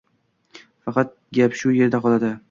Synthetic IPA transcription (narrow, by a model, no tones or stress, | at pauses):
fɑqɑt̪̚ɡʲapʃʊje̞ɾd̪aqʰɒlˠad̪ɪ